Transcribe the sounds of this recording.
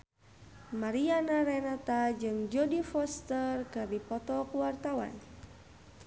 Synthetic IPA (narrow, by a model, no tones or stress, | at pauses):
maɾianaɾɛnat̪ad͡ʒɨŋd͡ʒɔdifɔst̪ərkɨrdipɔt̪ɔkuwart̪awa̰n